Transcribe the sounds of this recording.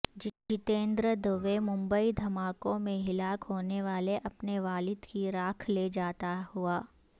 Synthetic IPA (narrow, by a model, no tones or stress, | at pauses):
d͡ʒɪt͡ʃɪt̪ẽːnd̪ɾəd̪əʋemʊ̃mbəid̪ʱɐmaːkõmẽɦɪlaːkɦoːneʋaːleʔɐpneʋaːlɪd̪kiɾaːkʰled͡ʒaːt̪aɦuaː